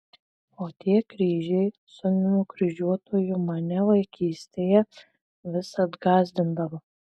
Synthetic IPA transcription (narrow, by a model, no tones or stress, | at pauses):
oːt̪ʲiɛkɾʲiːʒʲɛɪ | sʊnʲnʲʊkɾʲɪʒʲuɔt̪oːjʊmɐnʲɛlˠɐɪkʲiːsʲt̪ʲeːjɛ | ʋʲɪsɐd̪ɡɑːzʲd̪ʲɪnd̪ɐʋɐ